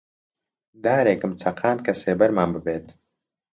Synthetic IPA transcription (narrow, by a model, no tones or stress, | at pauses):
d̪aːɾeːkɨmt͡sʰɐqʰaːn̚kʰɐseːbɐɾmaːnbɨbeːt̪